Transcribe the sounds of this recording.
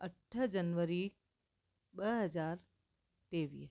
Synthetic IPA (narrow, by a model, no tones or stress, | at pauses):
əʈʰːəd͡ʒɐnʋəɾi | bəɦɐzaːɾ | t̪eːʋḭːs